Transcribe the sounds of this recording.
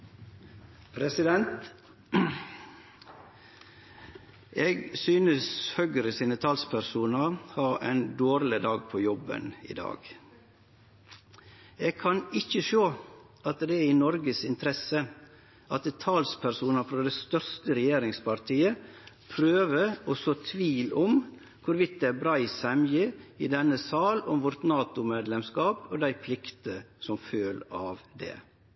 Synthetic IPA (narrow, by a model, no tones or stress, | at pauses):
pʰɾɛsɪd̪ɛnt̪ | ʔeːɡsyːnəshœɡɾəsiːnət̪ʰɑːlspʰæɾsuːnəɾhɑɛ̰nd̪oːɾlɪd̪ɑːɡ̚pʰɔjɔbə̰nɪ̰d̪ɑ̰ːɡ | eːɡ̚kʰɑnɪçəʃoː | ɑt̪d̪ɛæɪnɔɾɡəsɪnt̪ʰɾɛsə | ʔɑt̪̚ɛt̪ʰɑːlspʰæɾsuːnəfɾɑd̪ɛst̪œɾst̪əɾɛjeːɾɪŋspʰɑɾt̪ʰiːə | pʰɾøːʋəɾɔsɔt̪ʰʋiːlɔm | kʰʊɾʋɪt̪̚d̪ɛæɾbɾɑːɪsɛmjəɪd̪ɛnːəsɑːlɔmʋɔɾt̪nɑːt̪ʊmeːd̪lɛmskɑːpɔd̪æɪpʰlɪkt̪əsɔmføːlɑːʋd̪ɛ̰ː